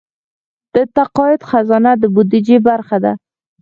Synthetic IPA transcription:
d̪̥ət̪aqɔjɪt̪xazɔnad̪əbʊd̪id͡ʒebaɾxad̪a̰

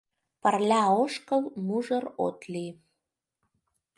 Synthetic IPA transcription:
pərlʲæoʃkəlmuʒəɾo̰t̪li

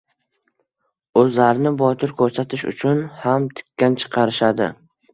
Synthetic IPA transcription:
ɵzlaɾɪnɪbɒt̪ʰɪɾkʰɵɾsat̪ʰɪʃʊ̰t͡ʃʰʊnhamt̪ʰɪ̥kʲʰːant͡ʃʰɨ̥qʰɑɾɪʃad̪ɪ̰

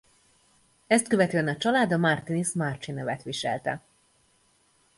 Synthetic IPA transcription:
ɛst̪̚køvɛt̪øːɛnɒt͡ʃɒlaːd̪ɒmart̪inismart͡ʃinɛvɛt̪ʋiʃɛ̰lt̪ɛ̰

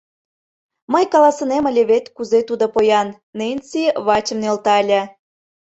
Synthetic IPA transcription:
məjkɑlɑsə̆nemə̆lʲeβet̪kuzet̪ud̪opojɑnːenʲsiβɑt͡ɕə̆mnelt̪ɑlʲæ

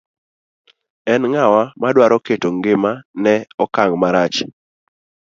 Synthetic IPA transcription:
ɛnŋawamadwaɾɔketoŋɡɪmanɛɔkaŋmaɾat͡ʃ

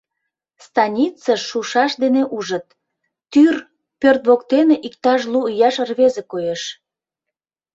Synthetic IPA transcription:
st̪ɑnʲit͡səʃːuʃɑʃd̪eneʔuʒət̪̚ː | yr | pørt̪βokt̪eneʔik̚t̪ɑʃ̬luːjɑʃərβezekojeʃ

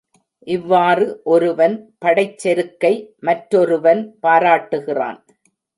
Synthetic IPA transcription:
ʔɪʋːaːrɯʔɔɾɯʋɐnpɐɽɐɪt͡ʃːɛɾɯkːɐɪmɐʈɾɔɾɯʋɐnpaːɾaːʈːɯɣɪra̰ːn

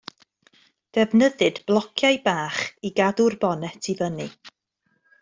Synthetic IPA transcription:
d̥ɛvnəðɨdblˠɔkʰjajbaːχiɡadʊrbɔnɛtʰivənɨ

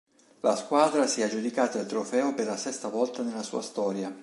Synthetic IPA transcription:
laskwaːd̪ɾasiad͡ʒud̪ikaːt̪aalt̪ɾofɛːoperlasɛst̪avɔlt̪anelasṵːast̪ɔːɾja

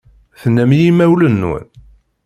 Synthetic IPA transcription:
θənːæmjimæwlənːṵn

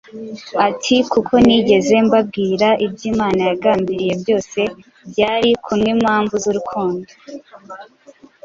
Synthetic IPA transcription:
atʰikukʰo̞niɟe̞ze̞mbab̚ɡiːɾaʔibɟiːmaːnajaɡaːmbiɾije̞bjo̞ːse̞ | bɟaːɾikʰumŋimhaːɱvuzuɾukʰuːndo

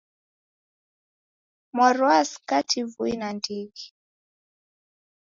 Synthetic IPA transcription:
mwaɾuaskatʰivuinandiɡi

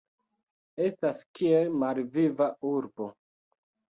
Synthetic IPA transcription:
e̞staskʰielmalvivauɾbo̞

